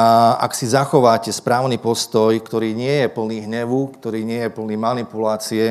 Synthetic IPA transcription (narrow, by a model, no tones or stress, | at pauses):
a̰ksizaxɔʋaːcɛspɾaːʊnipɔst̪ɔjkt̪ɔɾiːɲɪɛjɛpl̩niːɦɲɛʋukt̪ɔɾiːɲɪɛjɛpl̩nimanipulaːt͡siɛ